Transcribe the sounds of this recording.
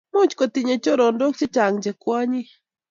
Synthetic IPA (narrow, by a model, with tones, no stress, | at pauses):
mʊ˦t͡ʃko˨t̪ɪɲe˨t͡ʃo˦ɾo˨ndo˦k̚t͡ʃe˦t͡ʃa˨ŋɲd͡ʒe˨kwa˦ɲɪ˦